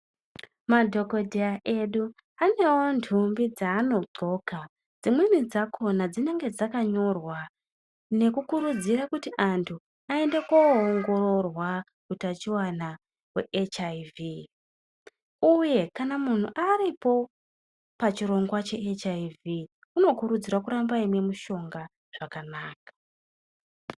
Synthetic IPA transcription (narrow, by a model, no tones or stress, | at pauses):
madʱo̞ko̞dʱeaʔe̞ɗu | ane̞wo̞ndʰʱumbid͡zaːno̞ɡ͡ǀo̞ka | d͡zimwenid͡zakʰo̞nad͡zine̞ŋɡe̞d͡zakaɲo̞rwa | ne̞kukuɾud͡ziɾakutiʔantʰu | ae̞nde̞koːŋɡo̞ɾo̞rwa | kutat͡ʃiwana | we̞̰ʔet͡ʃaivi | uje̞kanamun̤uʔaɾipo̞ | pat͡ʃiɾo̞ŋɡwat͡ʃe̞ʔet͡ʃaivi | uno̞kuɾud͡zirwakuɾambaimwe̞muʃo̞ŋɡa | ʐ̥akanaːkḁ